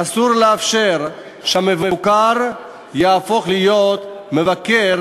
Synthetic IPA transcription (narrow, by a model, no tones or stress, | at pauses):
asuʁleafʃeʁ | ʃeamevakaʁ | jaːfo̞χlijo̞t̪me̞vakeʁ